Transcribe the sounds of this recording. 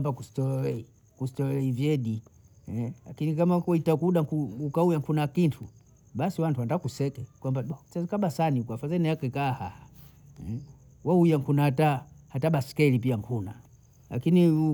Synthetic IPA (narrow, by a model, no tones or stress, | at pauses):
mbakusi̥tɔlɔlɛi | kusi̥tɔlɛlɛivjɛɗi | lakinikamakwitakuɗakuukaujaŋkʰunakintʰṵ | ɓasiwantuwantdakusɛkɛkwambaskaɓasanikwafazɛniakɛkahaha | waujaŋkʰunahatahataɓasi̥kɛlipiaŋkʰuna̰ | la̰kini